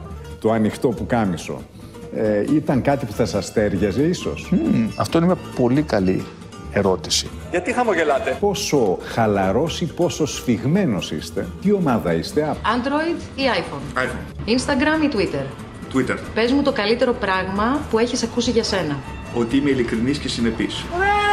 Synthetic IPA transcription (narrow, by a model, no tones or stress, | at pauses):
t̪o̞ɐnixt̪o̞pukɐniso̞̰ | eit̪ɐŋkɐt̪ipu̥θɐsɐst̪e̞ɾʝɐzeiso̞̰sɐ̰ft̪oineiɐpo̞likɐli | e̞ɾo̞t̪i̥si̥ | ʝɐt̪ixɐmoʝe̞lɐt̪e̞po̞so̞xɐlɐɾo̞sipo̞so̞sfiɣme̞no̞sḭst̪e̞̰t̪io̞mɐðɐist̪e̞ɐɐnd̪ɾo̞id̪iɐjfonɐjfoninst̪ɐɡɾɐmit̪uit̪e̞ɾ | t̪wit̪eɾpe̞zmut̪o̞kɐlit̪e̞ɾo̞pɾɐɣmɐpue̞çisɐkusiʝɐse̞nɐ | o̞t̪iimeilikɾiniscesine̞pis